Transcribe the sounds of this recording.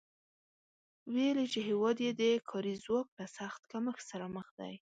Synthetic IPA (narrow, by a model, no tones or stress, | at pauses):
welit͡ʃeɦɪwɑd̪jed̪əkʰɑɾizwɑklasaxt̪kaməxsaɾaməxd̪a̰j